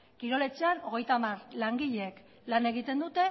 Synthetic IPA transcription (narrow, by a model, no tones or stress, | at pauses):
kiɾo̞le̞t͡se̞ano̞ɣe̞jt̪amaɾlaŋɡiʎeek | lane̞ɣ̞it̪e̞nd̪ut̪e̞